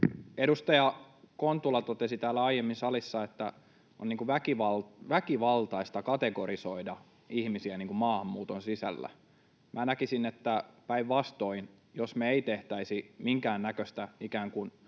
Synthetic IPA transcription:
edust̪ɑjɑ | kont̪ːulɑt̪ot̪esit̪æːlːæɑijemːinsɑlisːɑet̪ːæ | oniːŋkuʋækiʋɑlʋækiʋɑlt̪ɑist̪ɑkɑt̪eɡoɾisoidɑ | ihmisiæniːŋkummɑːhɑmːuːt̪onsisæ̰lːæ̰ | mʔænækisinet̪ːæpæiʋʋɑst̪oin | josmeeit̪eht̪æisimiŋkæːnnækøst̪æikæːŋkun

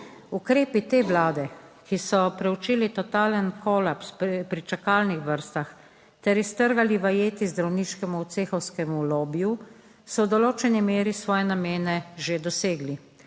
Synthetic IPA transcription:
ukɾeːpit̪eːʋlaːd̪ɛkisɔpɾɛut͡ʃiːlit̪ɔt̪aːlənkʰɔːlapsppɾit͡ʃakaːlnixʋəɾst̪ax | t̪ɛɾist̪əɾɡaliʋajeːt̪izd̪ɾawniːʃkɛmuːt̪seːxɔwskɛmuloːbju | sɔwd̪ɔloːt͡ʃɛnimeːɾisʋɔːjɛnameːnɛʒed̪ɔseːɡli

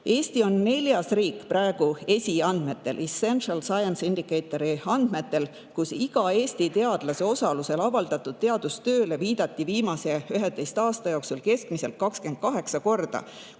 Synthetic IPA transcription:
e̞ːst̪io̞nːe̞lʲjɑsriːkːˑprɑeɡ̥ue̞sʲiɑnd̪̥me̞t̪ːˑe̞̰lʔisenʃɑlsɑjɑnsind̪̥ikːˑejt̪ːˑoɾiɑnd̪̥me̞t̪ːe̞l | kusiɡ̥ɑe̞ːst̪it̪e̞ɑd̪̥lɑseo̞sɑluse̞lɑvɑld̪̥ɑt̪ːˑud̪̥̚t̪eɑd̪̥ust̪ø̞ːle̞viːd̪̥ɑt̪ːˑiviːmɑse̞yɦed̪ˑejst̪ɑːst̪ɑjo̞ksulke̞skmise̞lt̪̚kːɑkskend̪̥̚kɑɦe̞ksɑko̞rd̪̥ɑ̰

